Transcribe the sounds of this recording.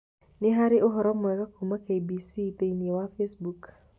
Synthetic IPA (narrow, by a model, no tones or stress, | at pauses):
nɪɦaɾɪʔʊɦɔɾɔmʊɛɣɐkʰumɐkʰejbiːsid̪enijɔwaːfesbuk